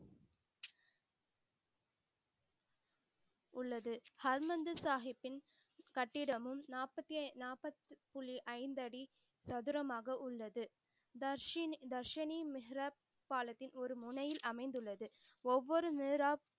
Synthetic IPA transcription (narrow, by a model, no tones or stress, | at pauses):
ʊɭːɐðɯhɐɾmɐnd̪ɯsaːɦɪpːɪn | kɐʈːɪɽɐmɯmnaːpɐt̪ːinaːpːɐt̪ːɯpʊɭiʔɐɪnd̪ɐɽi | sɐðɯɾɐmaːɣɐʔʊɭːɐðɯ | d̪ɐɾʂɐnimɪɦɪɾɐ | pːaːlɐt̪ːɪnɔɾɯmʊɳɐjɪlʔɐmɐɪnd̪ɯɭːɐðɯ | ɔʋːɔɾɯmeːɾaː